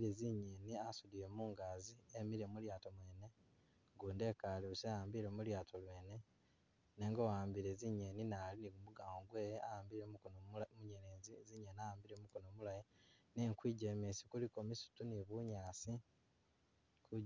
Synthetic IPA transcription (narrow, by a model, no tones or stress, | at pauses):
iɾeziɲeniasudijemuːŋɡaːziemiɾemuljaːtomwe̞ːne̞ | ŋɡuːnde̞kaliusejaːmbiɾemuljaːtʰolwe̞ːne̞ | neːŋɡowaːmbiɾeziɲe̞ninaliniɡumuɡaːŋɡoɡweːjaaːmbiɾemuɲeneziziɲenaaːmbiɾemukonomulajineːŋkwiːɟemesi̥kuliko̞misu̥tuniβuɲaːsi | ku